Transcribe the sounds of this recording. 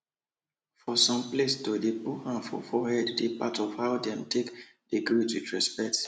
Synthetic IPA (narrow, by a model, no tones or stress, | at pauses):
fɔsɔ̃mplestodepuhãnfɔ̰fɔhɛddepatʰɔfhaʊdɛ̃mtʰek | deɡɹitwitɹɛspɛk̚t